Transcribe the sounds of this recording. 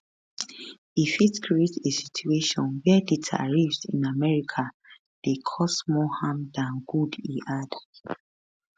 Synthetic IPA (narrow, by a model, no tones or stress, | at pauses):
ifitkʰɹietʰesi̥tʰueʃɔ̃nwɛdetʰa̰ɹifsḭ̃namɛɹikʰa | d̥ekʰɔsmɔhãmdãnɡudiʔad